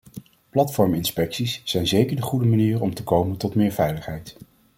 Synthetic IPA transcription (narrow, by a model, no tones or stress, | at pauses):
plɑtfɔɹmɪnspɛksisːɛjnzejkəɹdəχudəmaniːrɔmtəkowməntɔtmɪːɹvɛjləχɦɛjt